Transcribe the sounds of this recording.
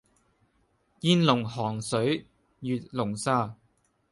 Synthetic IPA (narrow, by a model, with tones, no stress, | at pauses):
jiː˧nlʊ˨˩ŋɦɔː˨˩ŋsɵ˨˥ɥ | jyː˨t̪̚lʊ˨˩ŋsaː˥